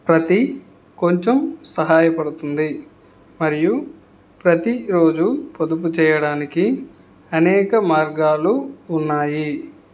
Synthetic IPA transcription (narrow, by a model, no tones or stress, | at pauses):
pɾɐt̪i | ko̞ɲt͡ʃe̞msɐɦaːjɐpɐɽut̪und̪i | mɐɾiju | pɾɐt̪iɾo̞ːd͡ʒupod̪up̬ut͡ʃɛːjɐɽaːniki | ɐnɛːkɐmaːɾɡaːluːnːaːji